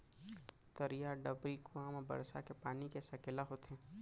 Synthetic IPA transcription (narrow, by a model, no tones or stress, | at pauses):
t̪ɐɾijaɖəbɾikuaːmbɐ̰ɾsa̰kepaːnikesɐkɪlaɦot̪ɛ̃ː